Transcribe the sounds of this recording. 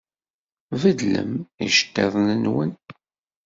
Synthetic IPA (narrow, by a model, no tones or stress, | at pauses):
vəd̪lə̰miʃt̪ːɛðˤnənwən